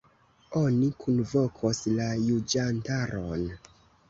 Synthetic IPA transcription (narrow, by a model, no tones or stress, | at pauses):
o̞nikʰunvo̞kʰoslajud͡ʒantaɾon